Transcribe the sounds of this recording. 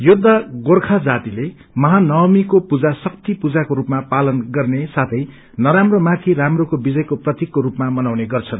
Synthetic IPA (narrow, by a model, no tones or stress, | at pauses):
jud̪ʱːaɡorkʰad͡zat̪ile | mʌɦanʌwmikopud͡zasʌk̚t̪ipud͡zakoɾupmapalʌnɡʌrnesat̪ʰʌj | nʌɾamromat̪ʰiɾamrokobid͡zʌjkoprʌt̪ikːoɾupmamʌnawneɡʌrt͡sʰʌn